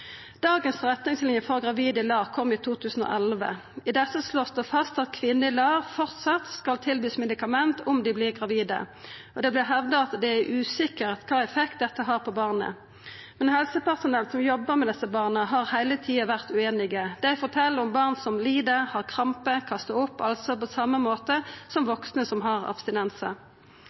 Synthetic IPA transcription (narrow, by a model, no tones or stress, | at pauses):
d̪̥ɑːɡənsʁɛt̪nɪŋslɪnjəfɔʁɡʁɑʋiːd̪əɪlɑːʁkʰɔmːiːt̪ʰuːt̪ʰʉːsn̩o̰ːʔɛlʋə̰ | ɪd̪ɛsːəsloːsd̪ɛfɑst̪ɑt̪kʰʋɪnːəɪlɑːʋfɔʁt̪sɑt̪skɑlt̪ʰɪlbyːsmɛd̪ɪkɑmɛnt̪ʊmd̪ɪblɪːʁɡʁɑʋiːd̪ə̰ɔd̪ɛːblɪʁɦɛʋd̪əɑt̪d̪ɛæʔʉːsɪkəʁɑt̪kʰɑːɛfɛkt̪̚d̪ɛt̪ːəɦɑːʁpʰɔbɑːʁnə̰ | mɛnhɛlsəpæʁsʊnɛlsɔmjɔbːəʁmɛd̪ɛsəbɑːʁnəɦɑʁhæɪlət̪ʰiːɑʋæʁt̪ʉeːnɪɡəd̪ɛæɪfɔʁt̪ʰɛlːəɔmbɑʁnsɔmliːd̪əɾhɑʁkʰʁɑmpəkʰɑst̪əʊpːɑlsɔpɔsɑmːəmoːt̪əsɔmʋɔksnəsɔmɦɑʁɑ̰bst̪ɪnɛnsə